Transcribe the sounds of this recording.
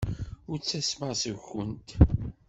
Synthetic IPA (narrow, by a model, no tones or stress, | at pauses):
ʊɾt͡sːæsməʁsəwçənt̪